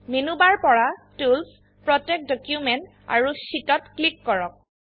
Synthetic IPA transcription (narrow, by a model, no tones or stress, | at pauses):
menubaɹpɔɹatuls | pɹɔtɛk̚dɔkjumɛnt | a̰ɹusitɔtklikːɔɹɔk̚